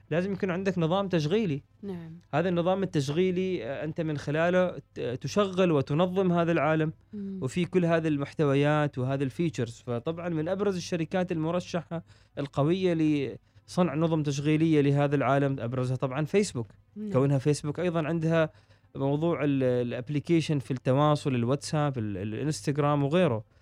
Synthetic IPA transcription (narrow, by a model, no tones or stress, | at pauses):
laːzɪmjakuːnʕɪnd̪aknɨðˤɑːmt̪aʃ̬ɣiːli | haːðanːɨðˤɑːmɪt̪ːaʃ̬ɣiːliʔɪnt̪amɪnxɪlaːlat̪ʊʃaɣːɪlwɪt̪ʊnɑðˤːɨmhaːðalʕaːlam | wfikʊlːhaːðilmʊħt̪awajaːt̪wɪhaːðalfiːt͡ʃɪɾz̥fat̪ˤɑbʕɑnmɪnʔabɾˤɑzɪʃːaɾɪkaːt̪ɪlmʊɾˤɑʃːaħa | ʔɪlqɑwɪjːali | sˤɨnʕnʊðˤʊmt̪aʃ̬ɣiːlɪjːalɪɦaːðalʕaːlamʔabɾˤɑzhat̪ˤɑbʕɑnfeːsbuk̪ | kawːɪnhafeːsbukʔɑjðˤɑnʕɪnd̪ha | mɑwðˤuːʕɪllʔablikeːʃanfit̪ːɑwɑːsˤʊlɪlwat̪saːbɪllʔɪ̰nst̪aɡɾaːmwɣeːɾʊ